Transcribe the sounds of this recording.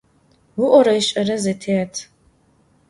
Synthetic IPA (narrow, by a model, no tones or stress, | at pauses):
wʊʔʷɔɾɐɪɕʼɐɾɐzetʰeːtʰ